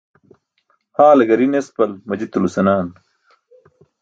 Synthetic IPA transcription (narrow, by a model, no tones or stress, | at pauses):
haːlɐɡɐɾinespɐlmɐd͡ʑit̪ulusɐnaːn